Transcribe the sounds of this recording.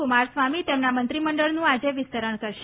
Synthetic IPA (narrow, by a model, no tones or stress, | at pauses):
umaɾsʋamit̪emnamənt̪ɾiməɳɖəɭnũad͡ʒeʋɪst̪əɾəɳkəɾʃe